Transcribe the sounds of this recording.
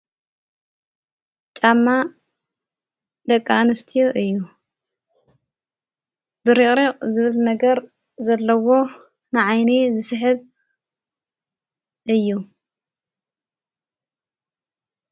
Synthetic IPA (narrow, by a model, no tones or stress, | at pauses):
t͡ʃʼamːa | d̪ɐkʼːanɨst̪ʰijoʔɨjːu | bɨɾɨχʼɾiqʼzɨβɨlnɐɡɐɾ | zɐlːɐwo̞ | nɨʕajnizɨsɨħɨβ | ʔɨjːu